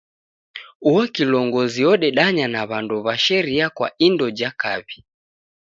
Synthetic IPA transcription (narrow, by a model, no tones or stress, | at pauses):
uɔkilɔŋɡɔziɔɗɛɗaɲanaβanduβaʃɛɾiakwa̰indɔd͡ʒakaβi